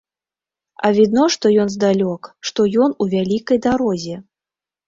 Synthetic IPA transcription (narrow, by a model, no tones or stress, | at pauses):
ɐ̰vʲid̪nɔʂt̪ɔjɔnzd̪alʲɔkʂt̪ɔjɔnuvʲalʲikɐjd̪aɾɔzʲɛ